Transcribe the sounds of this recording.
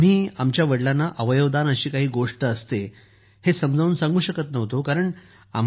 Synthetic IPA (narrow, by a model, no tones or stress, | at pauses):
m̤iːamt͡ɕjaʋəɽlanːaʔəʋəjoʋd̪anəɕiːkaɦiːɡoʂʈəːst̪e | hesəmd͡zʱauːnsãŋɡuːɕəkət̪nəʋ̤t̪okaɾəɳ | a̰m